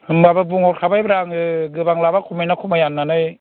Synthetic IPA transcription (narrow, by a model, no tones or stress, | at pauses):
hɯmbababuŋɔtkʰabajbaɾaŋɯɡɯbaŋlabakʰumajnakʰumajanːanɯj